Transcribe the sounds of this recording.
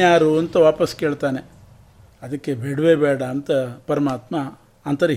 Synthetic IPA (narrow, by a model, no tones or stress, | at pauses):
jaːɾuɐnt̪ɐʋaːpɐskeːɭt̪aːne̞ | ɐd̪ɐkːe̞beɽʋeːbɛːɽɐːnt̪ɐpɐɾɐmaːt̪mɐ | aːnt̪ɐɾe